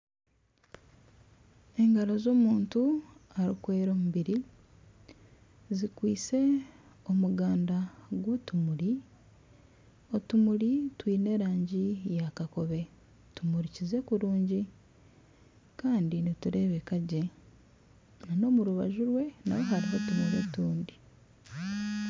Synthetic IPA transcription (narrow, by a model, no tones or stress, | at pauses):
e̞ŋɡaɾozo̞ːmuːntuaɾikwe̞ːɾo̞ːmuβiɾi | zikwiːse̞ | omuɡaːndaɡwutumuɾi | otumulitwiːne̞ːɾaːɲɟijakako̞βe̞ | tumuɾicize̞kuɾuːɲɟi | kaːndinituɾe̞ːβe̞kaɟe̞ | nano̞ːmuɾuβa̰ʒuɾwe̞na̰weɦaɾiɦotumuɾḛtuːndi